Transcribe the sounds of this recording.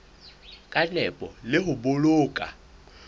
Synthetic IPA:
kʼat͡ɬʼɛpʼɔlɪhʊboloːkʼa̰

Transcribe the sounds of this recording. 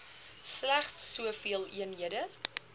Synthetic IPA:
slæχsːuəfiəlˠiənɦiədə

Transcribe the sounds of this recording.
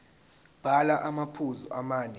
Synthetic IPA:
b̥ʱalaʔamapʰuzuʔamaːnɛ

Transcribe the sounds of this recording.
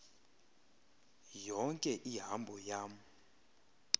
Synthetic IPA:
jɔŋkʼɛʔiɦambʱɔjaːm̩

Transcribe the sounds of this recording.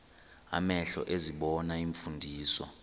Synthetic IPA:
a̰mɛɬɔʔeziɓɔnaiɱfundʱiːswa̰

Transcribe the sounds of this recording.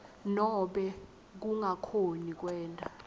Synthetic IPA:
nɔɓɛ | k̬uŋakʰonik̬wɛːntʼa

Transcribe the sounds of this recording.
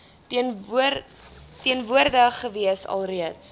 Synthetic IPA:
n | tiənvuərdəχəviəsɐ̰lˠriəts

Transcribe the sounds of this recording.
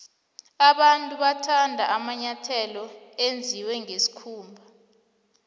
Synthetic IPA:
aɓantʼuɓatʰandʱaʔamaɲatʰɛlɔend͡zʱiwɛŋesi̥kʰuːmbʱa

